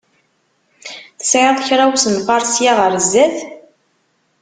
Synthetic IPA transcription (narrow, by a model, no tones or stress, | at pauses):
θə̥sʕəðˤçɾˤawsənfɑɾˤsjaʁəɾˤzːæθ